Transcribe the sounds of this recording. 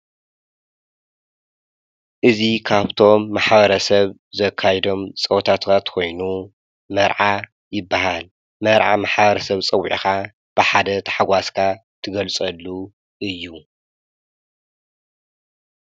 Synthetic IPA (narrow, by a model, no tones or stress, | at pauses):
ʔɨzikʰaβt̪ʰo̞mːaħbɐɾɐsɐβ | zɐkʰːajɛd̪o̞mt͡sʼɐwt̪ʰat̪kʰat̪kʰo̞jnu | mɐɾʕa | jɪbːaɦal | mɐɾʕamaħbɐɾɐsɐβt͡sʼɐwʕḭxa | b̥ɨħad̪ɐt̪ʰɐ̥ħaɡʷaskʰa | t̪ʰɨɡɐlt͡sʼɐlːu | ʔɨjːu